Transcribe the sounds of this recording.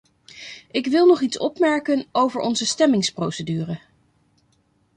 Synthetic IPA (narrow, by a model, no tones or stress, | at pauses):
ɪkʋɪlˠnɔχitsɔpmɛɹkənowvəɹʔɔnzəstɛmɪŋsprowsədyːrə